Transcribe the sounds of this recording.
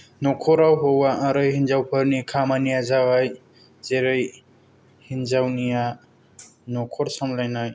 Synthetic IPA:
nɔkʰɔɾawɦowaaɾɯjhinzawpʰɯɾnikʰamanijazawaj | zeɾɯj | hinzawnija | nɔkʰɔɾsɔmlajnaj

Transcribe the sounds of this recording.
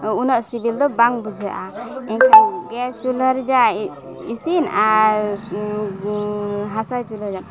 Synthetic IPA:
unəʔsibild̪ɔbaŋbud͡ʒʱaʔaɛŋkʰaɡɛst͡ʃuləɾd͡ʒa | isina | ɦasajt͡ʃuləɾd͡ʒa

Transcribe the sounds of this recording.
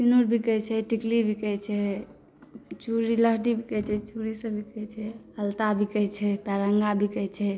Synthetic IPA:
sinuɾbʱikət͡ʃʰɛʈiklibʱikəjt͡ʃʰɛ | t͡ʃuɾiləɦɖibʱikət͡ʃʰɛt͡ʃuɾisə̃bʱikɛɦt͡ʃʰɛhəlt̪abʱikəɦt͡ʃʰɛpɛɾəŋɡabʱikəjt͡ʃʰɛ

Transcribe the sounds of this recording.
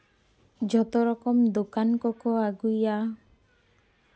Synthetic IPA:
d͡ʒɔt̪oɾɔkɔmd̪okankɔkoaɡuja

